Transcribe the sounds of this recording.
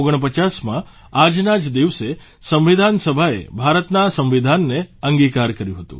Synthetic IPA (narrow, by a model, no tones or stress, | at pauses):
oɡəɳ̃p̬ət͡ʃasmã | ad͡ʒnad͡ʒd̪iʋse | sə̃mʋid̪ʱansəbʱaḛbʱaɾət̪nasə̃mʋid̪ʱanːeəŋɡikaɾkəɾjũɦət̪ṵ̃